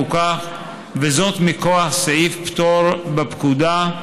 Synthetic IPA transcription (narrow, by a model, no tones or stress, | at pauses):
ukaχ | vezo̞t̪mikoaχseifpt̪oɾbepkud̪a